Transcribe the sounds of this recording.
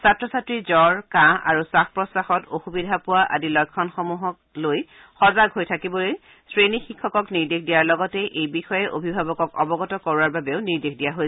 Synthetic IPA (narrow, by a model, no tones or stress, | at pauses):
satɹɔsatɹizɔɹkãa̰ɹusaxpɹɔsaxɔtoxubidʱapʊwaʔa̰dilɔjkʰːɔnxɔmuɦɔk̚ | loj | xɔzaɡɦojtʰakibɔloj | sɹenixikʰːɔkɔkniɹdekʰdijaɹlɔɡɔtɛʔejbixɔjɛʔo̰bʱibʱabɔkɔkɔbɔɡɔtɔkɔɹwaɹbabeʊniɹdexdijaɦojɛ